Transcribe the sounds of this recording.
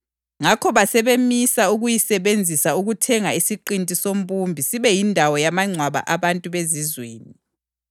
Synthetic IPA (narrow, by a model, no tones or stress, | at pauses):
ŋakʰɔβasɛβemisauɣujisɛβend͡zʱisauɣutʰɛŋaisiǃintʼisom̩pʼumbʱisiβɛjindʱawɔjamaŋ͡ǀʱwaβa̰ʔaβantʼuβezizweːni